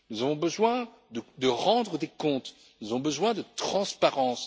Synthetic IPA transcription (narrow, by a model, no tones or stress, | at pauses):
nuzavɔ̃bəzwɛ̃ | d̪əd̪əʁɑ̃d̪ʁəd̪ekɔ̃t̪ | nuzavɔ̃bəzwɛ̃d̪ət̪χɑ̃spaʁɑ̃s